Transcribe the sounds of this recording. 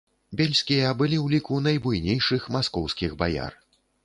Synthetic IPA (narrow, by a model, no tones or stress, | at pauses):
bʲelʲsʲkʲijɐbɨlʲiwlʲikunɐjbujnʲejʂɨxmaskɔwsʲkʲiɣba̰ja̰r